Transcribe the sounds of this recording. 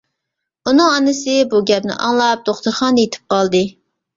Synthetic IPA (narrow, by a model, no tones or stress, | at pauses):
unɨŋɑnɨsɨbuɡʲɛpnɪ̰ʔɑ̰ŋlˠɑp̚d̪̥oχt̪ʊɾχɑnd̪jet̪ʰɪ̥p̚qɑlˠd̪ɨ